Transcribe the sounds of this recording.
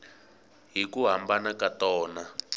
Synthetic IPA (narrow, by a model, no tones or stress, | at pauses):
ɦikuɦambanakatɔːna